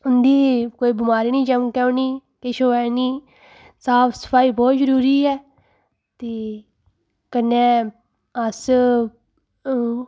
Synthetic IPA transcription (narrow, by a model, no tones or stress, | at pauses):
ʊnd̪iːkoːiːbɪmaːɾiːnĩːt͡ʃəmkɛõniː | kɪʃoːɛːniː | saːpʰsə̥pʰaːiːbɔːt̪zəɾuːɾiːɦɛː | t̪eː | kənːẽː | əs